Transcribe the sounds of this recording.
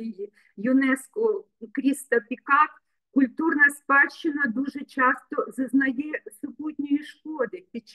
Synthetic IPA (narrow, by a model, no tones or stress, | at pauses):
jʊnɛskɔ | kɾʲist̪ɐpʲikɑk | kʊlʲt̪urnɐspɑt͡ʃːɪnɐd̪uʒɛt͡ʃɑst̪ɔzɐznɐjɛsʊbutʲnʲɔjiʃkɔd̪ɪpʲit͡ʃ